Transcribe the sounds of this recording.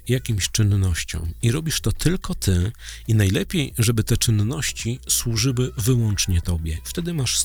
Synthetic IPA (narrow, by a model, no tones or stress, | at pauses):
jakʲimɕt͡ʂɘnːɔɕt͡ɕɔ̰̃w̃iɾɔbʲiʂt̪ɔt̪ʰɘlkɔt̪ʰɘinajlɛpʲjejʐɛbɘt̪ɛt͡ʂɘnːɔɕt͡ɕiswuʐɘwɘvɘwɔnt͡ʂɲɛt̪ɔbʲjɛft̪ɛd̪ɘmaʂ